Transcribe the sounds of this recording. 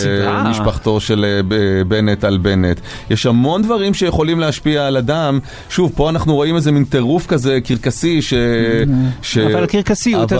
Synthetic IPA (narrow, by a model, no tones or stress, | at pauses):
mmiʃpaχt̪o̞ʃe̞leebe̞netalbe̞net̪ | jeʃhamo̞ndvaʁimʃejeχo̞limleaʃpiaːladam | ʃuvpo̞anaχnuʁo̞imezemint̪e̞ʁufkazekiʁkasiʃe | ʃealkiʁkasiu